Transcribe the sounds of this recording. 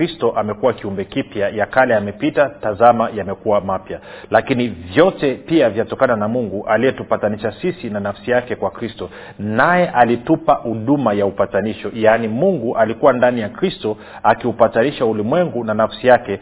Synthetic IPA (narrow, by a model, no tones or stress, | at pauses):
istɔʔamɛkuwakiumbɛkipjajakalɛamɛpitatazamajamɛkuwamapjalakinivjɔtɛpiavjatɔkananamuŋɡuʔalijɛtupataniʃasisinanafsijakɛkwakɾistɔ | najɛʔalitupahuɗumajaupataniʃɔjaːnimuŋɡuʔalikuwandanijakɾistɔ | akiupataniʃaulimwɛŋɡunanafsijakɛ